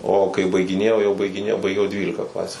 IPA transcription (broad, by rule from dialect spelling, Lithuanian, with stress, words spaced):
oː kɐɪ bɐɪɡʲɪˈnʲeːjɛʊ jɛʊ bɐɪɡʲɪˈnʲeːjɛʊ bɐɪˈɡʲɛʊ jɛʊ ˈdʲʋʲiːlʲɪkɐ ˈklˠɑːsʲuː